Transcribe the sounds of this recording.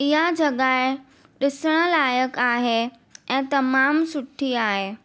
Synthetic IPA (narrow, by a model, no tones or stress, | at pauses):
ɪɦad͡ʑɐɠaːe | ɗɪsəɽ̃əlaːjəkaːɦe | ɛ̃ːt̪ɐmaːmsʊʈʰiaːɦeː